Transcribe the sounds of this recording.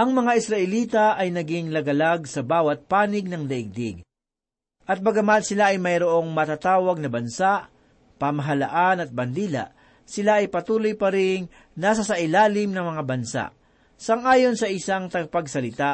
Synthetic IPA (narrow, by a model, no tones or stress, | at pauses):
ʔɐŋmɐŋaʔɪsɾɐʔɪliːt̪ɐʔɐjnɐɡɪŋlɐɡɐlaɡ̚sɐbaːwɐt̪̚paːnɪɡ̚nɐŋlɐʔɪɡ̚d̪ɪɡ̚ | ʔɐt̪̚bɐɡɐmat̪sɪlaʔɐjmɐjɾoʔo̞ŋmɐt̪at̪aːwɐɡ̚nɐbɐnsaʔ | pɐmɐɦɐla̰ʔanɐt̪̚bɐnd̪iːla̰ʔ | sɪlaʔɐjpɐt̪uːlojpɐɾɪŋ | nasɐsɐʔɪlaːlɪmnɐŋmɐŋabɐnsa̰ʔ | sɐŋʔaːjo̞nsɐʔɪsaŋt̪ɐɡɐpɐɡsɐlɪt̪a